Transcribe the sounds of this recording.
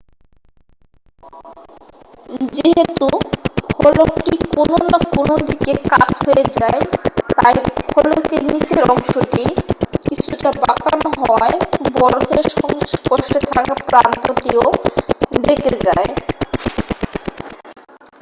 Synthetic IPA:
d͡ʑeɦet̪ukʰɔlokʈikononakonod̪ikekat̪ɦojed͡ʑaet̪ajkʰɔlokenit͡ɕeɾɔŋʃoʈikit͡ɕʰuʈabakanɦɔaebɔɾɦeʃɔŋiʃkoʃʈet̪ʰakapɾant̪ot̪io | ɖ̪eked͡ʑae

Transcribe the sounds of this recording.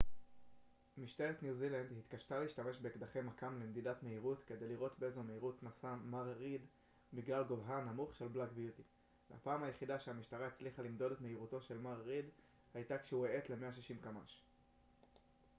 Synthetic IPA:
miʃteʁet̪njuziland̪hit̪kaʃtaleiʃtame̞ʃbe̞ekd̪aχe̞jmakamlemd̪idatme̞iʁutke̞d̪e̞jliʁo̞tbeezome̞iʁutnasamaʁʁid | biɡlalɡovɦanamuχʃe̞lblakbjut̪i | vea̰paːmhajeχidaʃeamiʃtaʁaet͡sliχalimd̪o̞detmeiʁuto̞ʃe̞lmaʁʁid | hajtakʃeuee̞t̪le̞me̞aʃ̬iʃimkama̰ʃ

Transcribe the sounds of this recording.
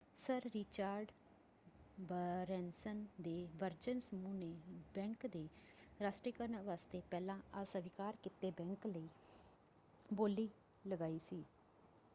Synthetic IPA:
səɾːɪt͡ʃaːɾɖ | bəɾɛːnsənd̪eːʋəɾd͡ʒənsəmũːneːbɛ̃ːŋkd̪eːɾaːsʈɾeːkəɾnəʋaːst̪eːpɛːlãːasəʋɪkaːɾkɪt̪eːbɛ̃ːŋkləiː | boːliː | ləɡaːiːsiː

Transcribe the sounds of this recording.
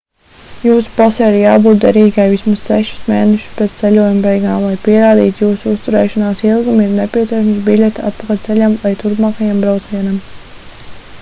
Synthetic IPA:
juːsu̥pasɛjiɾjaːbuːt̪̚d̪ɛɾiːɡajvismassɛʃu̥smḛːnɛʃu̥spɾɛt̪t̪ɛlʲuɔjumbɛjɡaːmlˠajpiɛɾaːd̪ḭːt̪juːsuust̪uɾɛːʃɔnaːsilˠɡumiɾnɛpʲiɛsiɛʃamsbilʲɛt̪a̰t̪̚pakalʲt̪sɛlʲamlajt̪uɾpmaːkajambɾawt̪sʲʋʲiɛnam

